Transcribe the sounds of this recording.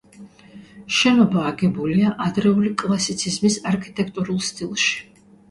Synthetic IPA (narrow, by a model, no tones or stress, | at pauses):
ʃɛnɔbaːɡɛbuliaʔad̪ɾɛulikʼlˠasit̪sʰizmisaɾkʰit̪ʼɛkʰt̪ʼuɾulˠst̪ʼilˠʃi̥